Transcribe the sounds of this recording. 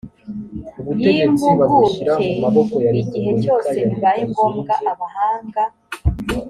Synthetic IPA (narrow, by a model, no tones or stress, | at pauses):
uβujeːemuβaɡuemaβokojaiɟiɦe̞co̞ːse̞βiβaːjeŋɡo̞ːmɡaʔaβahaːŋɡa